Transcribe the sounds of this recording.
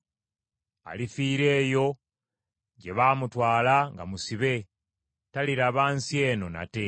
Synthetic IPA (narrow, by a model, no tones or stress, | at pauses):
a̰lifiːɾe̞ːjo̞ | ɟe̞βaːmutwaːlaŋɡa̰musiβe̞ | taliɾaβaːnsie̞ːno̞na̰te̞